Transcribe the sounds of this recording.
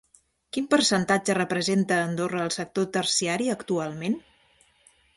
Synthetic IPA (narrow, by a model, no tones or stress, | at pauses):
kimpəɾsənt̪ad͡ʒərəpɾəzent̪əːnd̪orəːlˠsək̚t̪ot̪ərsiaɾiəkt̪ualˠmen